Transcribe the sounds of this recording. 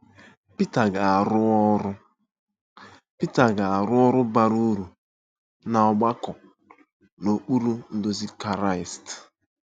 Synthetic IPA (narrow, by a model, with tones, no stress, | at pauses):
pi˦ta˨ɡa˨a˨ɾʊ˦ɾʊ˦ | pi˦ta˨ɡa˨a˨ɾʊ˦ɔ˦ɾʊ˦ba˨ɾu˦ɾu˨ | na˨ɔ˨ɡ͡ba˦kɔ˨ | no˨k͡pu˦ɾu˦n̩˦dʊ˦zi˦ka˨ɾa˦˨ɪ˨st